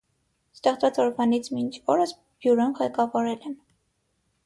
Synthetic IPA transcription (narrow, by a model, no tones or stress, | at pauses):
st̪ɛχt͡svɑt͡sɔɾvɑnit͡sʰmint͡ʃʰɔɾəs | b̥juɾɔnʁɛkɑvɑɾɛlɛn